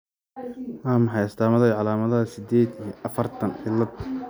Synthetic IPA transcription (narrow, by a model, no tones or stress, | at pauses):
waːmɐħɑjɐst̪aːmɐðɐjʕɑlaːmɐðɐɐsɪd̪ɛːd̪ijɔʔɐfɐrt̪ʰɐnħɪlːɐd̪